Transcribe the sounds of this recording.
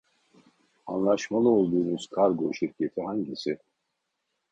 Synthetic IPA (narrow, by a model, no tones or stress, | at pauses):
anlˠaʃmalˠɯolˠd̪uːnuz̥kʰaɾɡoʃiɾcʰet̪ʰihaɲɟisi